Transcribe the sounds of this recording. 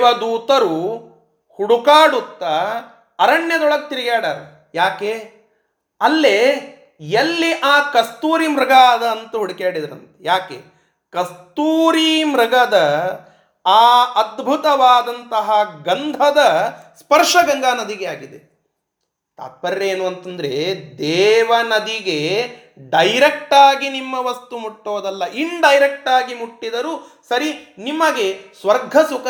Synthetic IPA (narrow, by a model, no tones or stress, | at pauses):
ʋɐd̪uːt̪ɐɾu | huɽukaːɽut̪ːɐ | ɐɾɐɳjɐd̪ɔɭɐk̚t̪iɾiɡaːɽaːɾe | jaːkeː | ɐlːe | jɐlːiʔaːkɐst̪uːɾimɾɐɡaːd̪ɐːnt̪ɐɦuɽikeːɽid̪ɐɾɐ̰nt̪ɐ̥jaːkḛː | kɐst̪uːɾimɾɐɡɐd̪ɐ | aːɐd̪bʱut̪ɐʋaːd̪ɐnt̪ɐɦɐɡɐnd̪ʱɐd̪ɐspɐɾʂɐɡɐŋɡ̪aːnɐd̪iɡe̞aːɡid̪e | t̪a̰ːt̪̚pɐɾːeeːnuːɐnt̪ɐnd̪ɐɾe̞d̪ɛːʋɐnɐd̪iɡe | ɖɐjɾek̚ʈaːɡinimːɐʋɐst̪umuʈːoːd̪ɐlːɐʔiɳɖɐjɾek̚ʈaːɡimuʈːid̪ɐɾuː | sɐɾinimːɐɡe̞sʋɐɾɡʱɐsuk